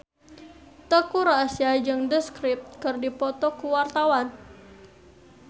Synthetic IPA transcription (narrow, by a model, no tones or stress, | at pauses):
t̪əkuɾasiad͡ʒɨŋdəskɾɪp̚t̪̚kərdipɔt̪ɔkuwart̪awan